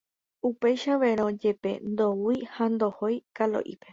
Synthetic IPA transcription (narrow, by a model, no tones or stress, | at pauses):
upe̞jʃaʋeɾ̃õd͡ʒe̞pe̞̰nd̪owihand̪o̞hojkalo̰ʔḭpe̞